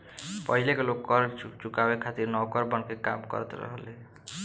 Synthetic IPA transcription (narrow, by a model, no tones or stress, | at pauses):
pɔɦilekɔlokːɔɾt͡ʃukawekʰat̪iɾnɔwkɔɾbɔnkeka̰mkɔ̰ɾt̪ḛɾɔ̰ɦle